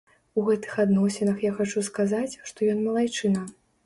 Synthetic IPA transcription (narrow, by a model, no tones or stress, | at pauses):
uɣɛt̪ɨ̥xad̪nɔsʲɛnɐxjaxat͡ʂuskazat͡sʲʂt̪ɔjɔnmɐlˠajt͡ʂɨnɐ